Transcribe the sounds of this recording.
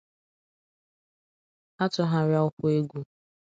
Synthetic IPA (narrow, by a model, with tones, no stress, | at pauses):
a˦tʊ˨ɦa˦ɾja˦ʊ˦kʷʊ˦e˦ɡʷu˦